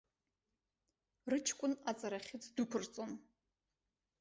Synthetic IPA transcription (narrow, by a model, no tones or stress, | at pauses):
rɨt͡ʃʰkʷʼʊnat͡sʼaɾaχʲɪt͡sʰdukʷʰʊrt͡sʼon